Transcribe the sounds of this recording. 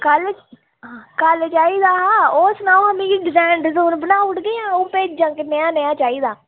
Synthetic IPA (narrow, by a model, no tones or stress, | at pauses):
kəlː | kəlt͡ʃaːiːd̪aːɦãːoːsnaːlɦəmĩːkiːɖɪzɛːɳɖzoːnbənaːʊʈɡəãːʊ̃ːpeːd͡ʒəŋknəjãːnəjãːt͡ʃaːiːd̪aː